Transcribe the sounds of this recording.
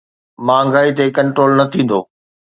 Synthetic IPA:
mãːŋɡaːit̪ekɐ̃ɳʈɾoːlnɐt̪ʰĩːn̆d̪oː

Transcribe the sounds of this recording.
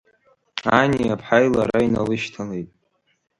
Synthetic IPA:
aniapʰħajlaɾainalɨʃtʰalejtʼ

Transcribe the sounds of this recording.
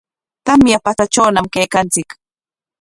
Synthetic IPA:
t̪amjapat͡sat͡ʃawnamkejkant͡sɪk

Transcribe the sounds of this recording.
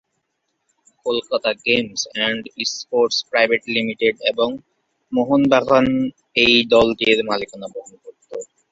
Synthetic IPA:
kolkat̪aɡemsɛɳɖispoɾʈspɾajbʱeʈlimiʈeɖeboŋ | moɦonb̪ʱaɡan | ejd̪ɔld̪eɾmalikanaboɦonkoɾt̪o

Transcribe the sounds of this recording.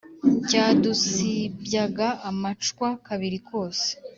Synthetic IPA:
caːdusibjaɡaːmat͡ʃkwakaβiɾikʰo̞ːse̥

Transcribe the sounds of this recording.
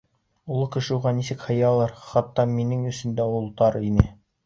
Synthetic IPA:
ulˠɤkɘ̆ʃɘ̆uʁɑnisɘkhɤ̆jɑlˠɑɾχɑt̪ːɑminɘŋɵ̆sɵ̆nd̪æulˠt̪ɑɾinɘ

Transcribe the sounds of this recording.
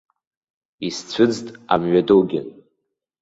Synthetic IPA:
ist͡sʷʰɨd͡ztʼa̰mɥadowɡʲan

